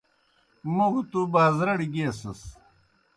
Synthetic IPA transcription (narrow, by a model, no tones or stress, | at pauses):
muɡut̪ubaːzɾɐɽiɡeːsɐs